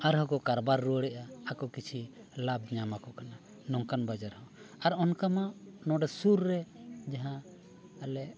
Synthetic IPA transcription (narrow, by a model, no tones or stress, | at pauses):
aɾɦɔkɔkaɾbaɾːuɽɛʔaːkɔkit͡ʃʰi | lab̚ɲamakɔkana | nɔŋkanbad͡ʒaɾhɔaɾɔnkamanɔ̃ɖɛsuɾːɛd͡ʒaɦã | alɛ